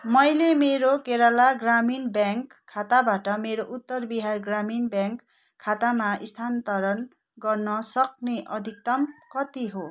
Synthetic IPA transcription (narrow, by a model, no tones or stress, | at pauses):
mʌjlemeɾokeɾalaɡraminbjaŋkʰːat̪abaʈʌmeɾoʔut̪ːʌrbiɦarɡraminbjaŋkʰː | at̪amaist̪ʰant̪ʌɾʌn | ɡʌrnʌsʌk̚neʔʌd̪ʱik̚t̪ʌmkʌt̪iɦo